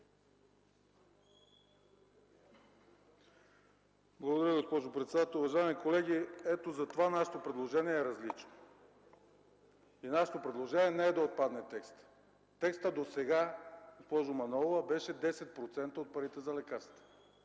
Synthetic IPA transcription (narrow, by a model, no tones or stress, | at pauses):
blˠɐɡod̪ɐɾʲaɡospɔʒopɾɛt̪sɛd̪at̪ɛlˠuvɐʒaɛmikolɛɡ̟ʲiɛt̪ozɐt̪ovanaʃɛ̥t̪opɾɛd̪lˠoʒɛniɛːɾɐzlit͡ʃno̥ | inaʃɛ̥t̪opɾɛd̪lˠoʒɛniɛnɛɛd̪ɐot̪̚pad̪nɛt̪ɛkst̪ | t̪ɛkst̪əd̪osɛɡaɡospɔʒomɐnɔlˠvɐbɛʃɛd̪ɛsɛt̪̚pɾot̪sɛnt̪əot̪̚pɐɾit̪ɛzɐlɛkaɾst̪ɛ̥